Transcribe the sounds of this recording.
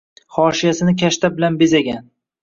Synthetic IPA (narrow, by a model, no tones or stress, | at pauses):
χɒʃijasɪnɪkʲʰaʃt̪abɪlanbezaɡʲan